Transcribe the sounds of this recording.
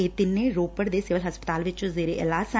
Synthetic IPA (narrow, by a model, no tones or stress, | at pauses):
et̪ɪnːẽːɾoːpəɽd̪eːsɪʋəlɦəspət̪aːlʋɪt͡ʃʊzeːɾeʔɪlaːsa